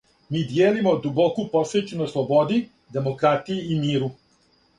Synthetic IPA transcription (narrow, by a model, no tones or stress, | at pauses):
miːd̪jeːlimod̪ubokuposet͡ʃenoslˠobod̪i | d̪e̞mokɾat̪ijiimiːɾu